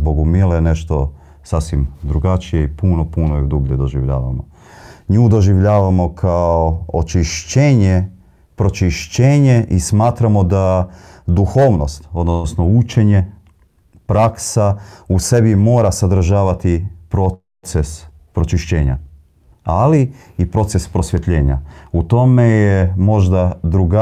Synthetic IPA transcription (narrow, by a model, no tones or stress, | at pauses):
boɡumileneʃt̪o̞ | sasʋimd̪ɾuɡat͡ʃijeipunopunojid̪ubʎed̪o̞ʒiʋʎa̰ːʋa̰mo̰ | ɲuːd̪o̞ʒiʋʎaːʋamo̞kʰaoot͡ʃiʃt͡ɕeːɲe | pɾot͡ʃiʃt͡ɕeːɲe̞ʔismaːt̪ɾamo̞d̪ad̪uxo̞ːʋno̞st̪o̞d̪nosnout͡ʃeɲe̞ | pɾaksause̞bimo̞ːɾasad̪ɾ̩ʒaːʋat̪ipɾo | t̪ses | pɾo̞t͡ʃiʃt͡ɕe̞ːɲa̰ | aliipɾo̞t̪sespɾo̞sʋje̞t̪ʎe̞ːɲa̰ut̪o̞mejemo̞ʒd̪ad̪ɾuɡa